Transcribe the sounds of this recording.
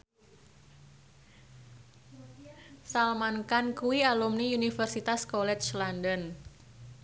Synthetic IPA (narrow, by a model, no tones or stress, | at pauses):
salmankankuwialumniunifərsit̪askɔlɛt͡ʃlandən